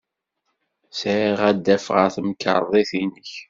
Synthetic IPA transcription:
sɾiʁæd̪ːæfʁə̰ɾθəmkə̰ɾˤðˤiθinəç

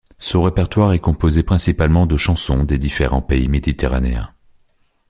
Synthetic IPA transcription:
sɔ̃ʁepɛʁt̪waʁɛkɔ̃pozepχɛ̃sipalmɑ̃d̪əʃɑ̃sɔ̃d̪ed̪ifeʁɑ̰̃peimed̪it̪eʁanḛɛ̰̃

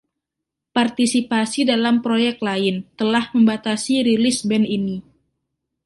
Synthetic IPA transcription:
part̪isipasidalampɾojɛk̚t̪̚laɪnt̪əlahməmbat̪asiɾilɪsbɛnini

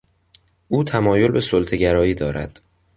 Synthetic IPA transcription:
ʔuːt̪ʰæmɒːjo̞lbe̞solt̪ʰe̞ɟæɾɒːiːd̪ɒːɾæ̰d̪̥

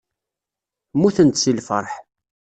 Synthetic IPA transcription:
muθənt̪silfə̰ɾˤħ

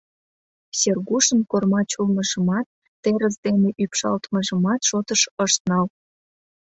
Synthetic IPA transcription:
serɣuʃənkormɑt͡ɕulməʒə̆mɑt̪̚ːeɾəzd̪eneʔypʃɑ̰lt̪məʒə̆mɑt̪ʃot̪əʃəʃt̪nɑl

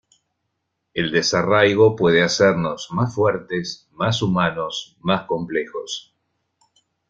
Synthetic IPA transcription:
eld̪esarajɣo̞pweð̞easɛɾno̞zmasfwɛɾt̪es | masumano̞s | masko̞mplexo̞s

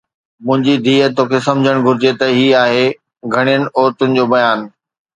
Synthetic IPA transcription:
mʊ̃ɦɪ̃ɲd͡ʑid̪ʱiːət̪oːkʰesɐ̃md͡ʑʱəɽ̃ɡʱʊɾɪd͡ʑet̪ɐɦiːaːɦe | ɡʱɐɽ̃ijənɪ̆ɔːɾt̪ʊnɪ̆d͡ʑoːbɐjaːn

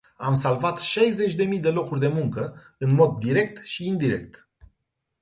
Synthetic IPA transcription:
amsalvat̪ʃajze̞t͡ʃʲd̪e̞mid̪e̞lo̞kurʲd̪e̞muŋkə | ɨnmo̞d̪ːiɾe̞k̚t̪ʃiːnd̪iɾe̞̰k̚t̪

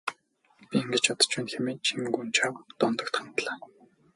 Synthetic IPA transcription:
pʲieŋɡɘ̆t͡ɕɔt̪ɞ̥̆t͡ɕpænxemeːnt͡ɕʰiŋɡunt͡ɕʰawt̪ɔnt̪ɞ̆kt̪χant̪ɮaː

